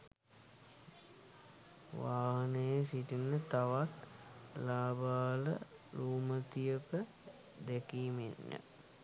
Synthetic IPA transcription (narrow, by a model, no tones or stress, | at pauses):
ʋaːɦənəjəsiʈinət̪aʋat̪laːbaːlə̰ | luːmət̪ijəpə | d̪ɛkiːmḛɲːə̰